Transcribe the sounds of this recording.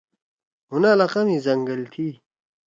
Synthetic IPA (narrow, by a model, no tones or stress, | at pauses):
ɦunalaqɐmizɐŋɡəlt̪ʰi